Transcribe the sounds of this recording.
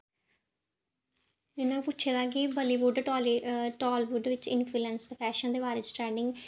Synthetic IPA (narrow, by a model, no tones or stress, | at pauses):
ɪnãpʊtːʃʰeːd̪aːɡiːbəliːbʊɖːlʈɔːlbʊɖʋɪt͡ʃɪnpʰluːlɛ̃ːnsd̪əpʰɛːʃə̃nd̪eːbaːɾeːd͡ʒɪ̥ʈɾɛːnɪ̃ŋɡ